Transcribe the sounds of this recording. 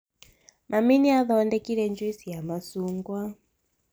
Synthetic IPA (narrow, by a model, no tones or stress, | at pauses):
mʔaminiaðɔɔndɛkiɾɛnd͡ʒwisijamasuŋɡwa